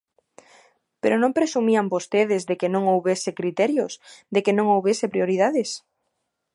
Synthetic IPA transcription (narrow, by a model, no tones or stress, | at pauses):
peɾonõmpɾesumiambost̪eð̞ezðekenõŋowβesekɾit̪ɛɾjosd̪ekenõŋowβesepɾioɾiðaðes